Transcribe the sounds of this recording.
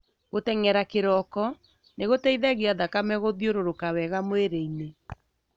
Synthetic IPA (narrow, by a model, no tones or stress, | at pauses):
ɣotɛŋɛɾakeɾɔkɔ | neɣotɛiðɛɣeaðakamɛɣoðjoɾoɾokawɛɣamoeɾeine